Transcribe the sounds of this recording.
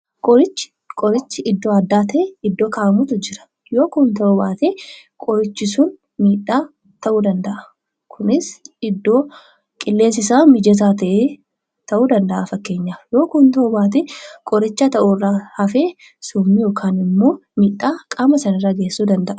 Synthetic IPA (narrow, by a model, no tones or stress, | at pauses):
kʼɔɾɪt͡ʃːɪ̥ | kʼɔɾɪt͡ʃːɪɪd̪ːoːɐd̪ːaːt̪ʰɐɪd̪ːo̞ːkaʔɐmʊt̪ʊd͡ʒɪɾɐ̥ | jo̞ːkuːnt̪ɐʔubaːt̪ekʼɔɾɪt͡ʃːɪsʊn | miːᶑːaː | t̪ɐʔuːd̪ɐnd̪ɐʔɐ̥ | kʰʊnɪsɪd̪ːo̞ː | kʼɪlːe̞ːsɪsaːmɪd͡ʒɛs̬aːt̪ɐʔeː | t̪ɐʔuːd̪ɐnd̪ɐʔaːfɐkːe̞ːɲːaːjo̞ːkuːnt̪ɐʔubaːt̪̬ekʼɔɾɪt͡ʃːɐt̪ɐʔuːrːaːhɐfeː | sʊmːijo̞ːkʰaːnɪmːo̞ːmiːᶑːaːkʼaːmɐsɐnɐrːaːɡe̞ːsːuːd̪ɐnd̪ɐʔɐ